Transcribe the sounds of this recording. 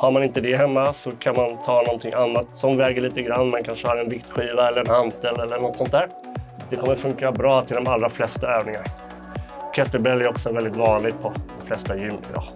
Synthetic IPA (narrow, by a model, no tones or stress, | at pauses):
haɾmanɪnt̪əd̪ɛɦɛmːasɔkʰanmant̪ʰɑːnɔnt̪ʰɪŋʔanːat̪sɔmvɛːɡəɭiːt̪əɡɾanːmankʰanʂəhaɾɛnvɪkt̪ɧiːvaɛlːəɾɛnhant̪əlːɛlːəɳɔt̪ːsɔnt̪æːɾ | d̪̥ɛkʰɔmːəɾfɵŋkɪːaɾabɾɑːt̪ʰɪld̪ɔmalːɾaflɛst̪aøːvnɪŋaɾ | kʰɛt̪ːəɾbɾɛlːæɾɔksɔvɛld̪ɪt̪vɑːnlɪɡpʰɔd̪ɔmflɛst̪ajʉ̟ːnɪ̰ɪ̰d̪ɑ̰ː